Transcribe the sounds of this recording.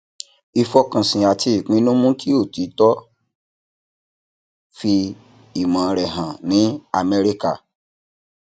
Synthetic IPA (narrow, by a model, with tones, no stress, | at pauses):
i˧fɔ˧kã˨sĩ˨a˨tʰi˧i˨k͡pĩ˨˦nũ˦mũ˦ki˦o˦˨ti˨˦tɔ˦ | fi˧ | i˨mã˨˧ɾɛ˨ɦã˨nĩ˨˦a̰˦˨mɛ˧ɾi˦ka˦˨